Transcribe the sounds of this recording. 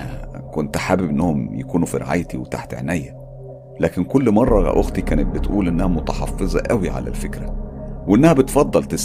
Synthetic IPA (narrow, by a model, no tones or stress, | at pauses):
æ̰kont̪ħaːbibʔenːæhomjekuːnufiɾḛʕa̰ːjt̪iwet̪a̰ħt̪ʕḛnæjːæ | læːkenkolːmɑrˤːɑ̰ʔoɣt̪ikæːnet̪̚bet̪ʔuːlʔenːæhæmot̪ɑħɑ̰fːezˤɑʔæwiʕa̰læ̰lfekɾæweʔenːæhæbet̪fɑd̪ˤːɑlt̪es